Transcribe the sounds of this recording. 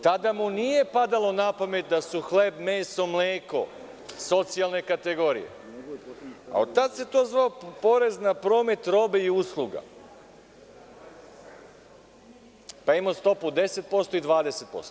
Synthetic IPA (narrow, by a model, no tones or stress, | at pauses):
t̪ad̪amunije̞pad̪alˠo̞napame̞t̪̚d̪asuxle̞bmeːso̞mleːko̞ | so̞t̪sialˠne̞kat̪e̞ɡo̞ɾḭjḛ | a̰o̰t̪at̪se̞t̪o̞ːzʋaopo̞ɾe̞znapɾo̞ːme̞t̪ɾo̞ːbe̞iuslˠuɡa̰ | paimost̪o̞pud̪e̞se̞t̪̚po̞st̪o̞id̪ʋaːd̪eset̪̚po̞̰st̪o